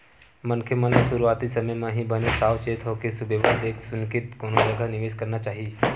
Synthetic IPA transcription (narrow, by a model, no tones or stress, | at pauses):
mɐnkʰemənksʊɾuaːt̪isɐməjmãɦibənesaːʋt͡ʃeːt̪ɦokesʊbʱeʋaːnd̪eːksʊnkɪt̪koːnod͡ʒɐɡʱanɪʋeːʃkɐɾnat͡ʃaːɦi